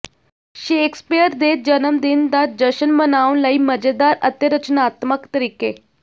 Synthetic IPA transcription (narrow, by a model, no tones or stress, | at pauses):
ɕekspijəɾd̪et̪̚d͡ʑənəmd̪ind̪at̪̚d͡ʒəɕənmənawnlaiːməd͡ʑed̪aɾət̪jəɾət͡ɕnaːt̪məkt̪əɾiːke